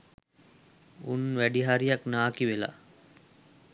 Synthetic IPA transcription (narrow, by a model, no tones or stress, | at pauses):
unʋæɖiɦaɾijaknaːkiʋela̰